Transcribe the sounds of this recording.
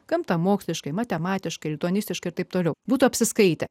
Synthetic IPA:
kɐmt̪ɐmoːksʲlʲɪʃkɐɪmɐt̪ʲɛmɑːt̪ʲɪʃkɐɪlʲɪt̪uɔːnʲɪsʲt̪ʲɪʃkɐɪɾt̪ɐɪp̚t̪oːlʲɛʊbuːt̪uːɐpʲsʲɪskɐɪt̪ʲɛ

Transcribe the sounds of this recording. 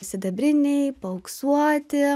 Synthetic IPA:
sʲɪd̪ɐbʲɾʲɪnʲɛɪpɐʊksuɔt̪ʲɪ

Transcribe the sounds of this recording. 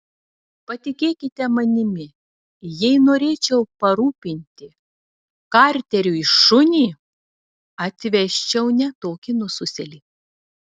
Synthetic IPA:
pɐt̪ʲɪkʲeːkʲɪt̪ʲɛmɐnʲɪmʲɪ | jɛɪnoːɾʲeːt͡ʃʲɛʊpɐɾuːpʲɪnʲt̪ʲɪ | kɑˑɾʲt̪ʲɛɾʲuɪʃʊnʲiː | ɐt̪ʲʋʲɛʃʲt͡ʃʲɛʊnʲɛt̪oːkʲinʊsʊsʲɛlʲiː

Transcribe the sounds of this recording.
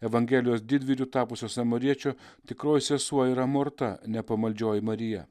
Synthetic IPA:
ɛʋɐŋʲɡʲɛːlʲɪjoːsd̪ʲɪd̪ʲʋʲiːlʲuːt̪ɑːpʊsʲoːsɐmɐɾʲiɛt͡ʃʲoː | t̪ʲɪkɾoːjsʲɛsuɔiɾɐmoɾt̪ɐnʲɛpɐmɐlʲd͡ʒʲoːjɪmɐɾʲɪjɛ

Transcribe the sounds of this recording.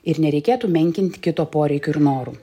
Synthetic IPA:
ɪɾnʲɛɾʲɛɪkʲeːt̪uːmʲɛŋʲkʲɪnʲt̪ʲkʲɪt̪oːpoːɾʲɛɪkʲoːɪɾnoːɾuː

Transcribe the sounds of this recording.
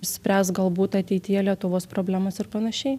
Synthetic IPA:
sʲpʲɾʲæːst̪ɡɐlˠbuːt̪ɐt̪ʲɛɪt̪ʲɪjɛlʲiɛt̪ʊʋoːspɾoːbʲlʲæːmɐsɪɾpɐnɐʃʲɛɪ

